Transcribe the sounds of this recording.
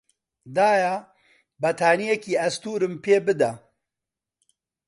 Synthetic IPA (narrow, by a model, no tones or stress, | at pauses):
d̪aːja | bɐt̪ʰaːnijɛkiːɐst̪uːɾɨmpʰeːbɨd̪ɐ